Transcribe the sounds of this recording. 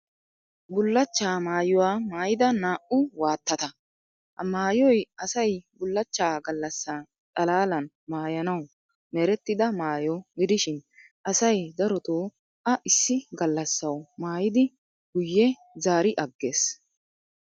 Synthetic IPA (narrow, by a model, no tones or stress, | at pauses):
bʊlːɐt͡ʃːaːmaːjʊwaːmaːjɪd̪ɐnaːʔʊwaːt̪ːɐt̪ɐ | hɐmaːjɔjɐsɐjbʊlːɐt͡ʃːaːɡɐlːɐsːaː | t̪ʼɐlaːlɐn | maːjɐnɐw | mɛɾɛt̪ːɪd̪ɐmaːjɔɡɪd̪ɪʃɪn | ʔɐsɐjd̪ɐɾɔt̪oː | ʔɐʔɪsːɪɡɐlːɐsːɐwmaːjɪd̪ɪ | ɡ̥ʊjːɛ | zaːɾɪʔɐɡːe̞ːs